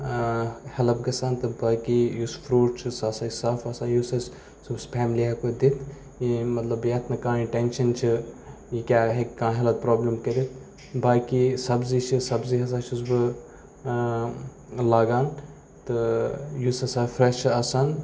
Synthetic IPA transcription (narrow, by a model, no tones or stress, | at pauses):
hɐlɐbɡɐsaːnt̪ɨbaːkijusfɾuːʈt͡ʃʰɨsasaːisafɐsaːjusɐs | subspʰɛːmliɦɐkod̪it̪ʰ | jimɐt̪lɐbjet̪ʰnɐkãːĩʈenʃɐnt͡ʃʰɨ | jikʲaːɦekkãːɦɐlɐt̪̚pɾoːblɐmkɐɾit̪̚ʰ | baːkisɐbzit͡ʃʰɨsɐbziɦɐs̬aːt͡ʃʰusbɨ | laːɡaːn | t̪ɨjusɐsaːfɾeʃt͡ʃʰɐsɐn